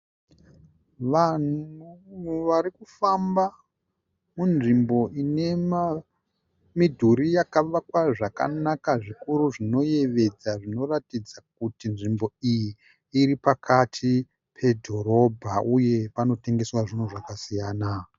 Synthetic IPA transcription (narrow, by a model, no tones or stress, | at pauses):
ʋan̤uʋaɾikufamba | munʐimbo̞ʔine̞a | midʱuɾijakaʋakwaʐaka̰nakaʐikuɾuʐino̞je̞ʋe̞d͡zaʐino̞ratid͡zak̚utinʐimbo̞ijiː | ɾipakʰatʰi | pʰe̞dʱo̞ɾo̞bʱauje̞pano̞te̞ŋɡe̞swaʐin̤uʐakasijaːna